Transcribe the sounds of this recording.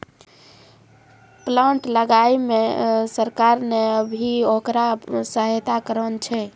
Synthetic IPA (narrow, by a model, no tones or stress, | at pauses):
plãɳʈləɡajmesəɾkaɾneəbʱiokɾasəɦjt̪akəɾənt͡ʃʰɛ